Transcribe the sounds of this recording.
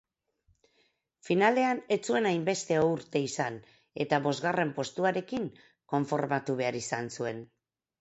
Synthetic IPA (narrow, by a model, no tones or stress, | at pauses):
finale̞ane̞t͡sue̞najmbe̞st̪e̞ouɾt̪e̞isan | e̞t̪aβo̞zɣare̞mpo̞st̪uaɾe̞kiŋ | ko̞ɱfo̞ɾmat̪uβ̞e̞aɾisansue̞n